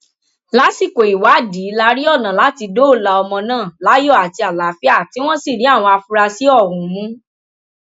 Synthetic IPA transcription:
la˨˦si˦˨ko˨i˨wa˨˦di˨˦la˧˦ɾi˦ɔ˦˨nã˨la˨˦ti˧do˦o˦˨la˨ɔ˧mɔ̃˧nãː˦˨la˨˦jɔ˦˨a˨ti˧a˨la˨˦fi˦a˦˨ti˨˦w̃ɔ̃˦si˦˨ɾi˨˦a˦˨w̃ɔ̃˧a˧fu˧ɾa˧si˦ɔ˦˨ɾũ˨mũ˦

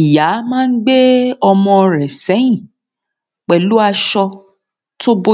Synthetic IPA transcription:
i˨ja˨˦mãː˦˧n̩˦ɡ͡be˦ɔ˧mɔ̃˧ɾɛ˨sɛ˨˦ĩ˦˨ | k͡pɛ˨lu˦a˧ʃɔ˧ | to˦bo˦

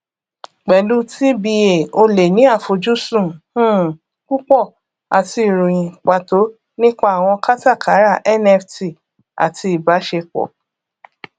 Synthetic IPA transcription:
k͡pɛ˨lu˦ti˦bi˧e˨o˧le˨nĩ˨˦a˦˨fo˨d͡ʒu˦sũ˦˨hũ˦˨ | ku˦k͡pɔ˦˨ | a̰˨ti˧˨ɾo˨j̃ĩ˨k͡pa˨to˨˦ | nĩ˦k͡pa˦a˨w̃ɔ̃˧ka˦ta˦˨ka˨˦ɾa˦˨ʔɛ˦nɛ˧fti˨ | a̰˨tʰi˧i˨ba˨˦ʃe˧k͡pɔ̰˨

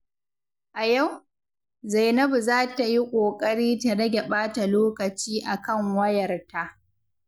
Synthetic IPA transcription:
ʔa˨ja˦˨w | za˨jnɐ˦bzaː˦ta˨ji˦kʷʼoː˨kʼɐ˦ɽiː˦tɐ˨ɽɐ˦ɡʲɛ˨ɓaː˦ta˨loː˦kɐ˨t͡ʃiː˦ʔa˨kɐ˦ŋwɐ˦jɐ˨rta˦ʔ

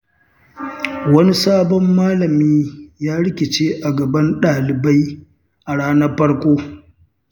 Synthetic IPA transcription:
wɐ˦ni˦saː˦bɔ˦mːaː˦lɐ˨miː˦jaː˦ɽɪ˦kʲɪ˨t͡ʃeː˦ʔa˨ɡɐ˨bɐ˦nɗaː˨lɪ˨ba˦j | ʔa˨ɽaː˦nɐ˦rɸɐ˦ɽkʷoː˦

